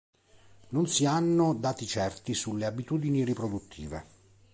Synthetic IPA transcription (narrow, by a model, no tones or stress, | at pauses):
nonsianːod̪aːt̪it͡ʃɛrt̪isulːeabit̪uːd̪iniripɾod̪ut̪ʰːḭːvḛ